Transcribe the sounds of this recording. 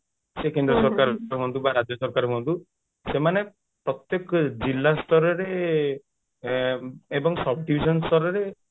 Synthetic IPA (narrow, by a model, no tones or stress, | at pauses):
sekend̪ɾɔsɔɾkaɾɦɔ̃nt̪ubaɾad͡ʒjɔsɔɾkaɾɔɦɔ̃nd̪u | semane | pɾɔt̪jɔkd͡ʒilːast̪ʰɔɾɔɾe | ebɔŋsɔbʱɖibʱisɔnst̪ʰɔɾɔɾe